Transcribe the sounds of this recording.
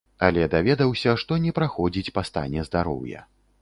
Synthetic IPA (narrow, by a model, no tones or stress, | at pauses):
alʲɛd̪avʲɛd̪ɐwsʲɐʂt̪ɔnʲɛpɾaxɔd͡zʲit͡sʲpast̪a̰nʲɛzd̪aɾɔ̰wjɐ̰